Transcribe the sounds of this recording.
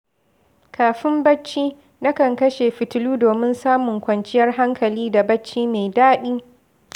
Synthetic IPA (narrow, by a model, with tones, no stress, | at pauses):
kʰaː˨ɸɪ˦mbɐ˦t͡ʃːiː˦ | nɐ˦kɐ˨ŋkɐ˦ʃeː˨ɸɪ˨tʊ˨luː˦doː˨mɪ˦nsaː˦mʊ˨ŋkʷɐ˨nt͡ʃɪ˦jɐ˦rɦa˦ŋkʰɐ˨liː˦da˨bɐ˦t͡ʃːiː˦me˨jdaː˦ɗiː˦